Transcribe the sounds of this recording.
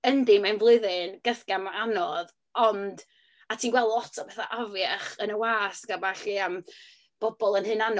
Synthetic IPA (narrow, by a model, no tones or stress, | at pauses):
əndimanvlˠʊɨðɪnɡ̥əθɡ̥amaanɔð | ɔnd | atʰiːnwɛlˠdlˠɔtʰɔbɛθa̰ʔavjaχənəwaːsɡ̥abaɬiəm | b̥ɔbɔlˠənhɨnanɔ